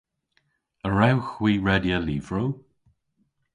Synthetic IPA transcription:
əɹawxwiːɹɛdjəliːvɹow

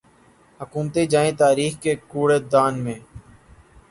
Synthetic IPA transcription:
həkuːmt̪eːd͡ʒaːẽːt̪aːɾiːxkeːkuːɽeːd̪aːnmẽː

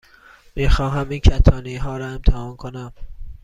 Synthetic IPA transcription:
miːxɒːɦæmiːncʰæt̪ʰɒːniɦɒːɾɒːe̞mt̪ʰæhɒːnkʰonæm

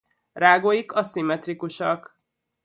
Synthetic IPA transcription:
raːɡoːjikɒsimɛt̪rikuʃɒk

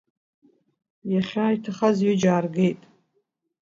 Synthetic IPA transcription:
jaχʲaːjtʰaχazjʊd͡ʒaːrɡe̞jtʼ

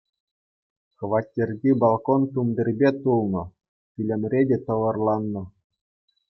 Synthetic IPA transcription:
kʋɑtʲːerʲdʲibɑlˠkont̪umd̪ʲɘ̆rʲbʲet̪ulˠnɤ̆ | tʲilʲɘ̆mʲrʲedʲet̪ɤ̆ʋɤ̆rlˠɑnːɤ̆

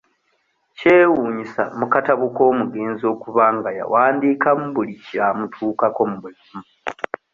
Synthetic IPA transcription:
ce̞ːwuːɲisa̰mukataβuko̞ːmuɡe̞ːnzio̞ːkuβaŋɡaja̰waːndiːkamuβulicamutʰuːkako̞muβulamu

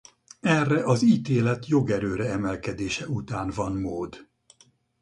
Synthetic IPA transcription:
ɛrːɛʔɒziːt̪eːlɛt̪jo̞ɡɛɾøːɾɛɛmɛlkɛd̪eːʃɛut̪aːnvɒnmoːd̪

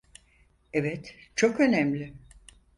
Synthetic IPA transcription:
ɛvɛt̪t͡ʃʰo̞kø̞nɛmlʲɪ

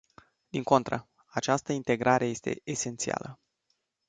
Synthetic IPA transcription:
d̪iŋko̞nt̪ɾə | at͡ʃast̪əint̪e̞ɡɾʔaɾʔe̞je̞st̪e̞̰ese̞nt̪sia̰lə

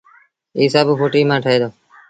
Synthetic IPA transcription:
iːsaːbuːpoːʈiːmãːʈʰəeːd̪oː

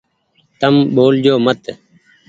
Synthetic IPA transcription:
t̪əmɓoːld͡ʒoːmət̪

